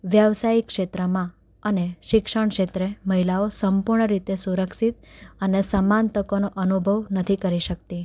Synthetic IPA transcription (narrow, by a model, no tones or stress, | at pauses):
ʋjəʋsaikʃet̪ɾəmã | əneʃɪkʃəɳ̃kʃet̪ɾeməɦilaosəmpuɾɳəɾit̪esuɾəkʃit̪̚ənesəmant̪əkonoʔənubʱəʋnət̪ʰikəɾiʃək̚t̪i